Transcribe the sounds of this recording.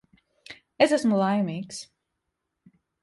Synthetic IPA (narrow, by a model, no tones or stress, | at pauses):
esæsmulˠajmiːks